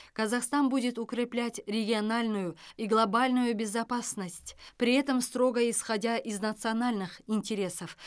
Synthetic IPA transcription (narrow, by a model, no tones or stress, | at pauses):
kɐzɐχst̪anbudʲɪt̪ʊkɾʲɪplʲætʲɾʲɪɡʲɪɐnalʲnʊjʊiɡlˠɐbalʲnʊjʊbʲɪzɐpasnəsʲtʲpɾʲɪɛt̪əmst̪ɾo̞ɡəɪsχɐdʲaʔiznɐt̪sɨɐnalʲnɨχɪnʲtʲɪɾʲe̞səf